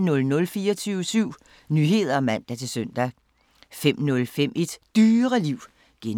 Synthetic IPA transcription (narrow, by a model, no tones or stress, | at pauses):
nɔ̽lnɔ̽lfiːɐɒt͡sʰyːʊəsyʊ̰ | nyɦe̝ð̰ˠɐɒ̽mæn̰d̥æt͡sʰe̝lsøn̰d̥æ | fem̰nɔ̽lfem̰e̝d̥d̥yːɐʁəliʊ̰ | ɡ̥en